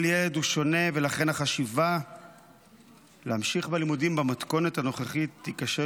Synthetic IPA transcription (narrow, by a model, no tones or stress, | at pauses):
ljeled̪uʃo̞ne̞velaχe̞naχaʃiva | leamʃiχbelimudimbamat̪ko̞netano̞χeχitːikaʃe